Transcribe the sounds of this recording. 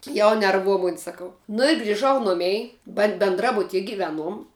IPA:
jɛʊ nʲɛrˈʋuɔ ˈmʊnʲɪ sɐˈkɐʊ nʊ ɪ ɡrʲɪˈʒɐʊ ˈnʊmʲɛɪ bɐ bʲɛnˈdrɑːbʊtʲiɛ ɡʲɪˈʋʲæːˌnuɔm

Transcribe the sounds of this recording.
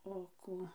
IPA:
oː ˈkuː

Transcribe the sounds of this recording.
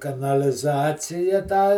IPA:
kɐnɐlʲɪˈzɑːt͡sʲɪjɛ tɑː

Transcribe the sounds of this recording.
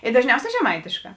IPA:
ɪ dɐʒʲˈnʲɛʊˌsʲɛː ʒʲɛˈmɐɪtʲeːʃˌkɑː

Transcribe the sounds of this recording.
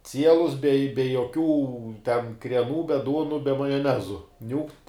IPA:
ˈt͡sʲiɛlˠʊs bʲɛ bʲɛ joːˈkʲuː tʲɛn krʲiɛˈnuː bʲɛ ˈduɔnʊ bʲɛ mɐjoːˈnʲæːzʊ ˈnʲuːkt

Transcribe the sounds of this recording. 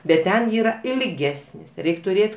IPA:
bʲɛt ˈtʲɛn ˈiːrɐ ɪlʲˈɡʲæːsʲnʲɪs ˈrʲɛɪkʲ tʊˈrʲeːtʲ

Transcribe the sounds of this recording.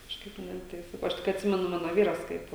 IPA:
kɐʃˈkɐɪp ˈnʲɛ tɐɪ ˈsɑːkɐʊ ˈɐʃ tʲɪk ɐtʲˈsʲɪmʲɛnʊ ˈmɑːnoː ˈʋʲiːrɐs ˈkɐɪp

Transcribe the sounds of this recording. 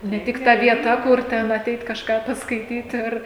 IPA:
nʲɛ ˈtʲɪk ˈtɐ ʋʲiɛˈtɐ ˈkʊr ˈtʲɛn ɐˈtʲɛɪt kɐʃˈkɑː pɐskɐɪˈtʲiːt ˈɪr

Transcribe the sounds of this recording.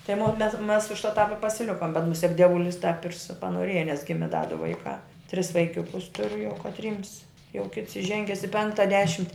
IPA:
tɐɪ moː mʲɛs mʲɛs ʊʃ tɑːp ɪ pɐsʲɪˈlʲɪkoːm bʲɛt mʊˈsʲiɛk dʲiɛˈʋʊlʲɪs tɐp ɪr sʊ pɐnoːˈrʲeːjɛ nʲɛs ˈɡʲɪmʲɪ dɐ dʊ ˈʋɐɪkɑː tʲrʲɪs ʋɐɪˈkʲʊkʊs ˈtʊrʲʊ jɛʊ kɐtʲˈrʲiːms jɛʊ kʲɪts ɪˈʒʲɛŋʲɡʲɛs ɪ ˈpʲɛŋktɐ ˈdʲæːʃʲɪmʲtʲɪ

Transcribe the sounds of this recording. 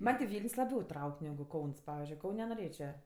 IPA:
ˈmɐnʲ tʲɪ ˈʋʲiːlʲnʲsʲ lˠɐˈbʲɛʊ ˈtrɐʊkʲ nʲɛɡʊ ˈkɐʊns ˈpɑːʋʲɪzʲd͡ʒʲʊɪ ˈkɐʊnʲ noːˈrʲeːt͡ʃʲɛ

